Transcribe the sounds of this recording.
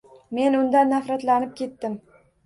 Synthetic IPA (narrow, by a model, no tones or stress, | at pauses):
me̞nʊnd̪anːafɾat̪lanɪp̚kʲʰe̞t̪ːɪm